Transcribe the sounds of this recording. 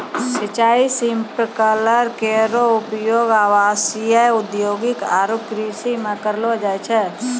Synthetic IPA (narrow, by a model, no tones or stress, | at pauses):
sət͡ʃaːisĩmpɾkələɾkeɾoʊpjoːɡaːʋaːsijaʊd̪joːɡɪkaːɾopkɾisimẽkəɾlod͡ʒaːjt͡ʃʰɛ